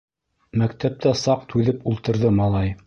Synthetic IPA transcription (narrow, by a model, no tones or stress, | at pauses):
mæk̚t̪æp̚t̪æsɑq̚t̪ʰʉðɘpulˠt̪ɤ̆ɾðɤmɑlˠɑj